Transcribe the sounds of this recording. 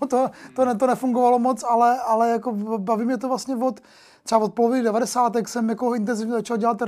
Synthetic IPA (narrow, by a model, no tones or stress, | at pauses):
t̪ot̪onɛt̪̬onɛfuŋɡovalomot͡salɛalɛjakobaviːmɲɛt̪ovlastɲɛvot̪ | t̪r̥ɛavot̪̚polovɪniɡdɛvadɛsaːt̪ɛksɛmjakoɪnt̪̬ɛnzɪvɲɛzat͡ʃalɟɛlat̪ɾ